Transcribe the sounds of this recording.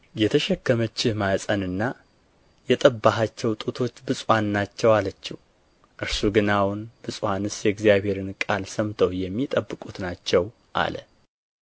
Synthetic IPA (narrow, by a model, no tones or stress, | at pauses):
jɛt̪ʰəʃɛkːəmət͡ʃːɪhmasʼənɨnːa | jɛt̪ʼəbːaɦat͡ʃːɛwt̪ʼut̪ʰo̞t͡ʃːbɨsʼwanːat͡ʃːɛwalət͡ʃːɪh | ʔɨɾsuɡɨnawʊnbɨsʼwanɨsjɛɡzijaβhe̞ɾɨnkʼalsəmt̪ʰəwjɛmːit̪ʼəbːɨkʼut̪nat͡ʃːɛw | ʔa̰lə̰